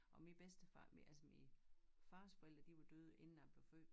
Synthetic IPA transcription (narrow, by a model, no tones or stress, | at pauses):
ʔɒ̽mib̥esd̥əfɑmælsəmifɑ̈ːsfoel̰d̥ɐd̥iʋod̥øð̞ˠe̝nn̩æb̥lefø̰̥ː